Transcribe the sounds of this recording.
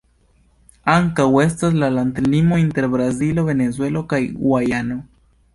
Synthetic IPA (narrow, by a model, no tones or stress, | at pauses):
aŋkawe̞s̬tas̬lalantlimo̞inte̞ɾbɾazilo̞ve̞nezwe̞lo̞kajw̰ajano̞